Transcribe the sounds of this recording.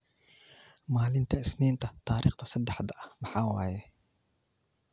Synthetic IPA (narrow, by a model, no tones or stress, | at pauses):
maːlɪnt̪ʰɐɪsnɛːnt̪ʰɐt̪ʰaːɾiːχt̪ʰɐsɐd̪ɛħd̪ɐʔɐhmɐħaːwaːjɛ